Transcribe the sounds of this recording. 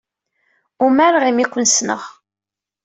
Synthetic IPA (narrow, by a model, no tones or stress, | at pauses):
umæɾʁimikʷːənsnə̰ʁ